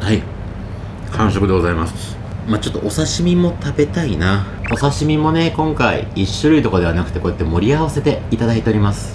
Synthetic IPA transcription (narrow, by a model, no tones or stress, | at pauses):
hai | kʰãɰ̃ɕo̞kɯd̪eɡo̞zaimas | mat͡ɕo̞t̪ːo̞ʔosaɕimʲimo̞t̪abe̞t̪aina | o̞saɕimʲimo̞ne̞kõ̞ŋkaḭiɕːɨɾɯ̟it̪o̞kod̪e̞anakɯ̟̥e̞ko̞jat̪ːemo̞ɾʲiaβase̞t̪e̞it̪ad̪ait̪e̞oɾʲimasɨ̥